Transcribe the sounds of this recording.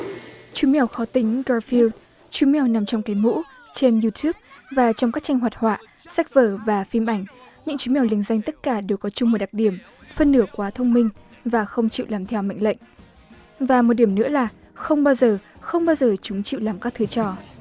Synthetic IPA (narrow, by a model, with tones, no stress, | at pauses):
t͡ɕwi˨˦mɛ˧wxɔ˨˦t̪ï˨˦ŋ̟ɣɔ˧fi˧ld | t͡ɕwi˨˧˦mɛ˧wna˨˩mt͡ɕɔ˧wŋ͡mka˨˦jmṵ˧˥ | t͡ɕe˧nji˧t̪ʰu˦˥p̚vaː˨˩t͡ɕɔ˧wŋ͡mka˦˥k̚t͡ɕa˧jŋ̟ɦwaː˨˩t̚hwa̰ː˧˨ | sa˦˥k̚vəː˧˩vaː˨˩fi˧mʔa˧˩jŋ̟ɲɨ̰˧˥ŋt͡ɕwi˨˦mɛ˧˩wli˧˩əŋza˧jŋ̟t̪ə˦˥t̚kaː˧˩ɗe˨˩wkɔ˨˦t͡ɕʊ˧ŋ͡mmo˨˩t̚ɗa˨˩k̚ɗi˧˩əm | fə˧nːɨ˧˩əkwaː˨˦t̪ʰə˧wŋ͡mmï˧ŋ̟ | vaː˨˩xə˧wŋ͡mt͡ɕḭ˧˨wlaː˨˩mt̪ʰɛ˧wma̰˧˨ŋ̟lə̰˧˨jŋ̟ | vaː˨˩mo˨˩t̚ɗi˧˩əmnɨ̰˧˥əlaː˨˩ | xə˧wŋ͡mɓaː˧wzəː˨˩xə˧wŋ͡mɓaː˧wzəː˨˩t͡ɕʊ˨˦ŋ͡mt͡ɕḭ˧˨wlaː˨˩mkaː˦˥k̚t̪ʰɨ˧˩t͡ɕɔ˧˩